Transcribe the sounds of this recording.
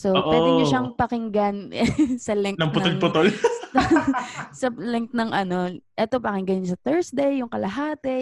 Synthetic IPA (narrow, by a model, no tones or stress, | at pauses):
soppwɛːd̪ɪɲʊʃaŋpɐkɪŋɡanʔɛsɐlɛŋnɐŋpʊt̪olpʊt̪ol | sɐlɛŋt̪̚nɐŋʔɐno̞ʔɛt̪o̞pɐkɪŋɡɐɲɲsɐt̪ɛɹsd̪ejʊŋkɐlɐɦaːt̪ɛ